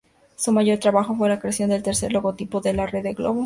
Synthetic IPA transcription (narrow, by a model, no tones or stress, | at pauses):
sumaʝo̞ɾt̪ɾaβaxo̞fwe̞lakɾeasjo̞nd̪e̞lt̪e̞ɾse̞ɾlo̞ɣo̞t̪ipoðe̞lareðeɡloβo